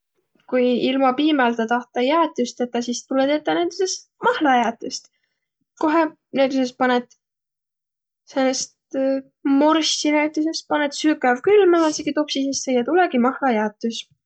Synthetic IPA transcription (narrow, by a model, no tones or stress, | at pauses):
kujilmɑpiːmɑlt̪ɑt̪ɑht̪ˑɑjæːt̪ːˑust̪et̪ːˑɑsist̪ulɛt̪et̪ːˑɑnæt̪usest̪ | mɑhlɑjæːt̪ːˑust̪ | ko̞ɦe | næt̪ːuses̚pɑnet̪ | senːest̪ | morsːinæyt̪ːˑuse̞st̪̚pɑnet̪sykævkylmemɑseɡ̥it̪opsisissejɑt̪ulɛɡimɑhlɑjæːt̪ːˑus